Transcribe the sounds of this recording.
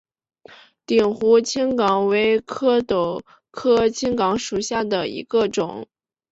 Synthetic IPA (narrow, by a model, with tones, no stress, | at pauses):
t̪i˨˩ŋxu˧˥t͡ɕʰi˥ŋkɑ˧˥ŋwe˧˥ɪkʰɤ˥t̪o˨˩ʊ | kʰɤ˥t͡ɕʰi˥ŋkɑ˧˥ŋʂu˨˩ɕja˥˩d̪ə˩ḭ˧˥ɡə˧ʈ͡ʂʊ˨˩˦ŋ